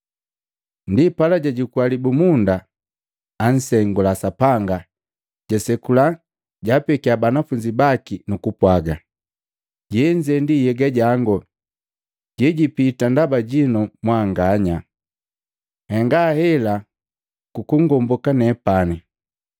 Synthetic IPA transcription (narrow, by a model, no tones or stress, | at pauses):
ndipalaɟaɟikwalibumundaː | n̩sɛŋɡulasapaŋɡa | ɟ̥asɛkula | ɟapɛkiabanafuɲd͡ʒibakinukupwaɡa | ɟɛɲd͡ʒɛndijɛɡaɟaŋɡɔ | ɟɛɟipitandabaɟinɔmwaŋɡaɲa | hɛŋɡahɛla | kukuŋɡɔmbɔkanɛpani